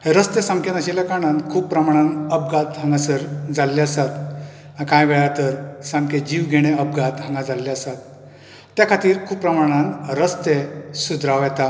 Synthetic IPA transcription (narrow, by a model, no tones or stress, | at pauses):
ɦeɾəst̪esãŋkenaɕilakaɽ̃ankʰuːbpːɾəmaɽ̃ãnəp̚ɡat̪ɦãŋɡasəɾd͡zalːeəsat̪ | ãkãjʋɛɭjat̪əɾsãŋked͡ʑiʋɡʱeɽ̃eəp̚ɡat̪ɦãŋɡad͡zalːeəsat̪ː | jakʰat̪iːɾkʰuːppːɾəmaɽ̃ãnɾəst̪esud̪ʱɾaʋjɛt̪a